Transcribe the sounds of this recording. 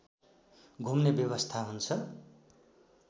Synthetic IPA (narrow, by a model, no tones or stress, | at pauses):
ɡʱumnebjʌbʌst̪ʰaɦunt͡sʰʌ